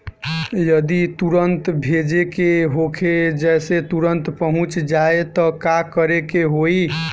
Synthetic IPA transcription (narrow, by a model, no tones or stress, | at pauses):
jəd̪it̪uɾənt̪bʱed͡ʒekeɦokʰed͡ʒɛɪset̪uɾənt̪pəɦũt͡ʃd͡ʒaet̪ɔkakəɾekeɦoi